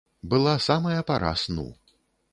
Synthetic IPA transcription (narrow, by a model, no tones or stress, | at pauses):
bɨlˠasamɐjɐpaɾa̰snṵ